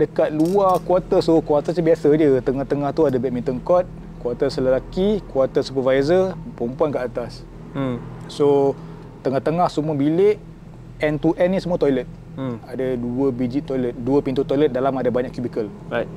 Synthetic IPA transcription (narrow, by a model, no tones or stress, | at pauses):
dəkat̪̚luakwat̪əsokwat̪əsəbiasad͡ʒət̪əŋaht̪əŋaht̪uadabɛʔ̚mĩnt̪əŋkɔt̪̚ | kwat̪əsələlakikwɔt̪əsupəvajzəpɾɔmpuankəat̪as | o | t̪əŋaht̪əŋahsumuabilɪʔ | ɛnt̪uʔɛnːisəmũat̪ɔjlət̪̚ | adaduəbid͡ʒit̪ːɔjlət̪̚duəpint̪ut̪ɔjlət̪̚dalamadabaɲaʔkjubikəlaj